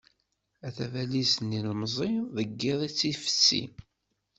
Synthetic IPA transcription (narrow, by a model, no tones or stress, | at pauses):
æθævælisnːilmzˤiðəɡːɪðˤit͡sːifə̥t͡sːḭ